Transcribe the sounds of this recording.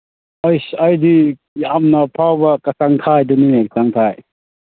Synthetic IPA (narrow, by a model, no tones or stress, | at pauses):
ɔjsɐjdi | amnɐpʰawbɐkɐsaŋtʰajdunimek̚saŋtʰaj